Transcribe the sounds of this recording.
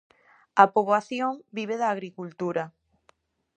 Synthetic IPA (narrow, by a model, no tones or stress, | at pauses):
ɐpoβaθjoŋbiβ̞eðaːɣɾikult̪uɾɐ